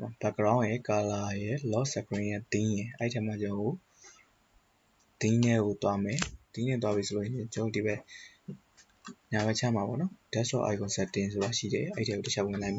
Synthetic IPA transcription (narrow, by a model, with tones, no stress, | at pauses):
ɔ˨b̥a˦˨kːəɹã˦ʊ̃jɛ˦ka˨la˦˨jɛ˦lɔ˦sɛ˨kəɹɪ̃˨jɛ˦˨t̪ĩ˦jɛ̃˨ʔɛ˦i˨tʰɛ˦ma˨d͡ʑã˨ŋɡo˦˨ | t̪ĩ˦nɛ˦ɡo˨t̪wa˦mɛ˨t̪ĩ˦nɛ˦˨t̪̬wa˦βi˨sʰo˨o˨ɕʃɪ̃˨d͡ʑõ˦˨di˨bɛ˦˨ | ɲa˨bɛ˦˨t͡ɕʰa̰˦˨ma˨bɔ̰˦˨nɔ˦d̥ɛ˦stɹɔ̰˨ʔa̰˨ɪkɔ̃˨sɛ˦˨tɪ̃˨so˨ba˨ʃḭ˦˨ɾɛ˨ʔɛ˦ḭ˨tʰɛ˦ɡo˨təʃʰa˦ʊʔwɪ̃˨nã˨ɪ̃mba˨